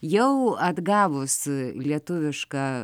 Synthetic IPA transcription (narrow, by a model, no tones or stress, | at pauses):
jɛʊɐd̪ɡɑːʋʊslʲiɛt̪ʊʋʲɪʃkɑː